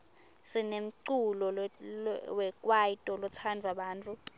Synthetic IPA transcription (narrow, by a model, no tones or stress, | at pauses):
sinem̩ǀulɔ | wɛkʼwajitʼɔlɔt͡sʰandʱuaɓaːntʼu